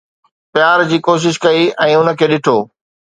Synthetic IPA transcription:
pɪjaːɾd͡ʑiːkoːʃ̬ɪʃkɐiɛ̃ːʊn̆kʰeːɗɪʈʰoː

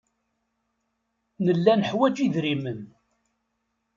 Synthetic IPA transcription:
nəlːænəħwæd͡ʒiðɾimən

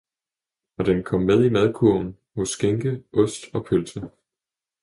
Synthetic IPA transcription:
ɒ̽d̥enkʰɒ̽mːeð̞ˠimæð̞ˠkʰuɐn̩ | hɔ̽sːɡ̥eŋɡ̥əʔɔ̽sd̥ɒ̽pʰølsʰə

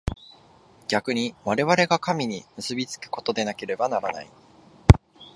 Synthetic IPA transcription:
ɡ̥ʲakɯ̟ɲ̟iβaɾe̞βaɾe̞ɡakamʲiɲ̟imɯ̟sɨbʲit͡sɨ̥kɯ̟̥ko̞̥t̪o̞d̪e̞nake̞ɾe̞banaɾana̰i

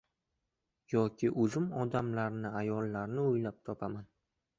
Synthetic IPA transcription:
jɒkʲʰɪʔɵzɪmɒd̪amlaɾnɪajɒlːaɾnɪʊjlap̚t̪ʰɒpʰaman

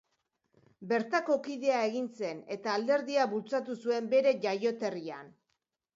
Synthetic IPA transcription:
be̞ɾt̪ako̞kið̞e̞aeɣinse̞ne̞t̪aːld̪e̞ɾðiaβult͡sat̪usue̞mbe̞ɾe̞ʝajo̞t̪e̞rian

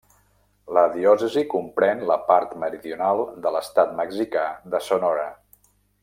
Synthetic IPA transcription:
ləðiɔsəzikumpɾɛnləpaɾt̪məɾiðiunalˠd̪ələst̪at̪məɡzikaðəsonɔɾə

